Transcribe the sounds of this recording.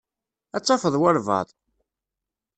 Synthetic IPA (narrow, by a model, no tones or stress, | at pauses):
æt͡sˤːɑfəðˤwəɾvɑ̰ðˤ